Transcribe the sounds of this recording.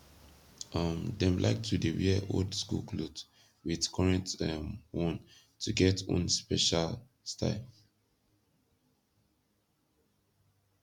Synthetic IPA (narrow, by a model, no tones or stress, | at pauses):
ʌmdɛ̃mlʔa̰ɪk̚tʰudeɹiʔo̰ldskṵlkʰlubs | widkʰɔɹɛ̃ntɛmwɔ̃n | tʰuɡɛtɔ̰̃nspɛʃal | stʰa̰ɪl